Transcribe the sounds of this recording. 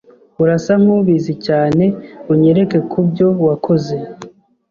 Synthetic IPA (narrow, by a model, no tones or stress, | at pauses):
uɾasam̥huβizicaːne̞uɲe̞ɾe̞ke̞kʰubɟo̞wakʰo̞ze̞